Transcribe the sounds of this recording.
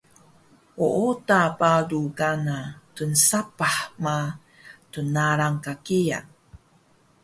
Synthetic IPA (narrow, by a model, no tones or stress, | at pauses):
oʔotapaluɡanatunsapaħma | tunaɾaŋkakija̰